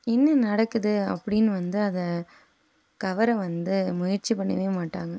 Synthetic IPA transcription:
ɪnːɐnɐɽɐkːɯðɯɐ̰pːɐɽɪnʋɐnd̪ɯɐðɐ | kɐʋɐɾɐ̃ʋɐnd̪ɯmʊjɪɾt͡ʃipɐɳːɐʋeːmaːʈːaːŋɡɐ

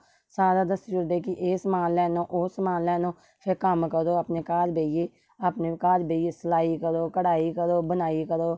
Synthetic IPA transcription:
saːɾaːd̪əst̪d͡ʒʊɾd̪eːkiʔeːsmaːnlɛːnõːʔʊːsmaːnlɛːnõː | pʰɪɾkəmkəɾoːapneːkaːɾbʱeːijeː | apneːkaːɾbeːjeːsəlaːikəɾoːkəɽaːikəɾoːbənaːikəɾoː

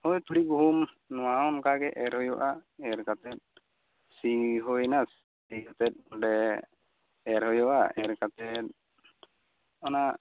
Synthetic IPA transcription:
hɔjt̪uɽiɡuɦum | nɔwaɔnkaɡɛʔɛɾhɔjɔʔaɛɾkat̪ɛt̪̚ | siɦɔjnas | sikɔt̪ɛt̪̚ɖɛ | ɛɾɦɔjɔʔaɛɾkat̪ɛt̪̚ | ɔna

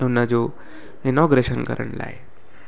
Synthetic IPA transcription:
ewnːad͡zo | inɔɡɾeɕənkə̰ɾə̰ɳla̰je

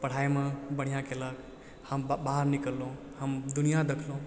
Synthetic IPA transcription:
pəɽ̤ajmebəɽ̤ijãkelək | həmbaɦəɾnikəlːuũ | həmd̪unijad̪ekʰlũ

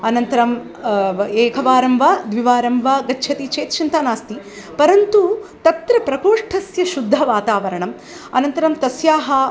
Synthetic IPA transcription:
ɐnɐnt̪ɐɾɐm | eːkʰɐʋaːɾɐmʋaːd̪ʋiʋaːɾɐmʋaːɡɐtːʃʰɐt̪it͡ʃeːt̪t͡ʃʰint̪aːnaːst̪i | pɐɾɐnt̪ut̪ɐt̪ɾɐpɾɐkoːʂʈʰɐsjɐʃud̪ʱːɐʋaːt̪aːʋɐɾɐɳɐm | ɐ̰nɐnt̪ɐɾɐmt̪ɐsjaːɦɐ

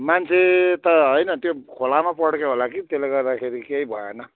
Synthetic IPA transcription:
mant͡sʰet̪ʌɦʌjnʌt̪jokʰolamapʌɽkeɦolakit̪eleɡʌrd̪akʰeɾikeibʱʌenʌ

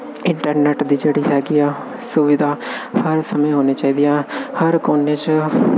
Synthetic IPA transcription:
ɪ̃ɳʈəɾnɛːʈd̪iːd͡ʒeːɽiːɦɛːɡiːaː | sʊʋɪd̪ʱaːhəɾsəmẽːɦoːneːt͡ʃaːiːd̪ijãːhəɾkoːneːt͡ʃ

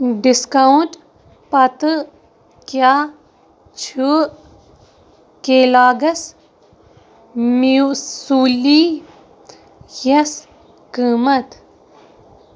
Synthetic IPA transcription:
ɖiskɐunʈ | pɐt̪ɨ | kjaː | t͡ʃʰu | keːlaːɡɐs | musuːli | jɐs | kiːmɐt̪

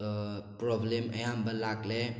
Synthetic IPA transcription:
pɾoblemə̰ɦãmbəlakle

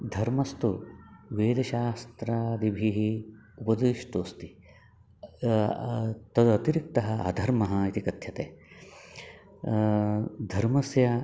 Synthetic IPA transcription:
d̪ʱɐɾmɐst̪uʋeːd̪ɐʃaːst̪ɾaːd̪ibʱiɦiupɐd̪iʃʈoːst̪i | t̪ɐd̪uɐt̪iɾik̚t̪ɐɦɐ̆ɐ̰d̪ʱɐɾmɐɦɐit̪ikɐt̪ʰjɐt̪eː | d̪ʱɐɾmɐsjɐ

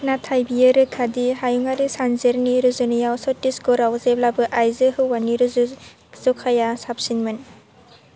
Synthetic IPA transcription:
natʰajbijeɾɯkʰadihajuŋaɾisanzeɾniɾɯzɯnijawsɔtisɡɔɾawzeb̚labɯʔajzɯɦɯwːaniɾɯzɯ | z̥ɔkʰajasap̚sinmɯn

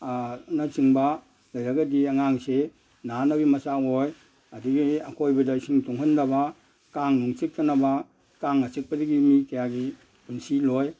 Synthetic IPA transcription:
nat͡ʃiŋba | lɐjɾɐɡɐdiɐŋaŋse | nanabimɐsaoj | ɐdiɡiɐkʰojbɐdasiŋtuŋɦɯndɐba | kaŋnuŋt͡ʃik̚tʰɐnɐba | kaŋnat͡ʃik̚pɐdiɡimikɐjaɡi | punsiloj

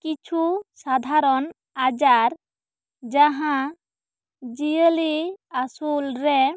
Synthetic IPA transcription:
kit͡ʃʰusad̪ʱaɾɔn | ad͡ʒaɾ | d͡ʒaɦã | d͡ʒijəliasulɾɛ

